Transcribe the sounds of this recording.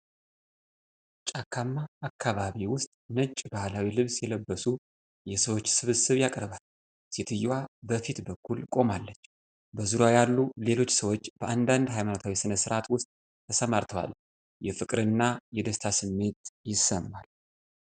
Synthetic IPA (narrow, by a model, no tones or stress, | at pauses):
t͡ʃʼakʰːamːaːkʰːaβaβiwʊst̪ʼnət͡ʃʼbahlawilɨβsjɛləbːəsu | jɛsəwo̞t͡ʃːsɨβɨsɨβjakʼɾβal | set̪ʰɨjːwabəfit̪bəkʰːulkʼo̞malːət͡ʃː | bəzuɾajalːule̞lo̞t͡ʃːsəwo̞t͡ʃːb̥əʔand̪and̪ɦajmanot̪ʰawisɨnəsɨɾʔat̪wʊst̪ʼ | t̪ʰːəsəmaɾt̪ʰəwa̰l | jɛfɨkʼɾɨnːajɛd̪əst̪ʰasɨmːe̞t̪jɪsːəmːal